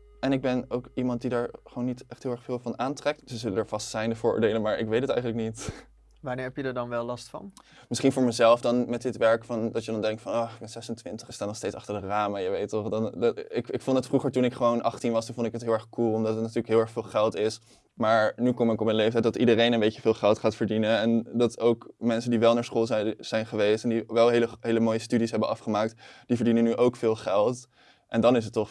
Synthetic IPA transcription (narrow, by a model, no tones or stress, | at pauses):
ɛnɪɡ̚bɛnowkimɑnt̚didaːɹχʋownːitɛχtɦɪːlˠɛχfɪːlˠvɑnaːntrɛk̚tdəzələdəːɹv̥ɑstsɛjndəvʊːɹʔo̰ːɹdejlənmaːɹʔɪ̰kʋejtətɛ̰jχənləknit | ʋaːnɪːɹɦɛpjədəɹdɑnʋɛlˠlɑstfɑ̰n | mɪsχinvʊːɹməzɛlˠfdɑnmɛt̚dɪtʋɛɹkfɑndɑtjədɑndɛŋk̚tfɑnoənz̥ɛsəntʋɪntəχɪstaːnɔχstejtsɑχtəɹdəraːmajəʋejtɔχdɑnɪkɪkfɔntətfruχəɹtunɪkχəʋownʔɑχtinʋɑstunvɔndɪkɦətɦɪlˠɛɹχkulˠɔmdɑtətnatyːɹləkɦɪlˠɛɹχfɪːlˠχɛlˠtɪs | maːɹnykɔmɪkɔpmənlejftɛjt̚dɑtidərejnənbejcəvɪːlˠχɛlˠtχaːtfəɹdinəɛndɑtowkmɛnsəndiʋɛlˠnaːɹsχoːlˠzɛz̥ɛjnχəʋejstɛndiʋɛlˠɦejləɦejləmoːjəstydisɦɛbənɑfχəmaːk̚td̥ivəɹdinənyʔowkfɪːlˠχɛlˠt | ʔɛndɑnɪs̬ətːɔχ